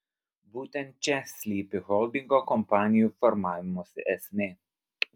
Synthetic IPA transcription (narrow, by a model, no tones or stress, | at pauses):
but̪ɛnt͡ʃɛsliːpɪhɔld̪iŋɡɔkɔmpanjufɔɾmamɔsɛ̰ʔɛsne